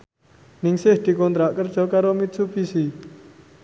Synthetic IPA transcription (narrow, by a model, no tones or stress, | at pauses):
nɪŋsɪhd̪̥i̤kɔnt̪ɾaʔkər̥ʒ̥ɔ̤kaɾomit̪sub̥isi